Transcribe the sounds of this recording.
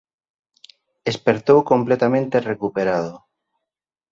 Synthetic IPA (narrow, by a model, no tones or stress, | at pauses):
espeɾt̪owkomplet̪amẽnt̪erekupeɾaðo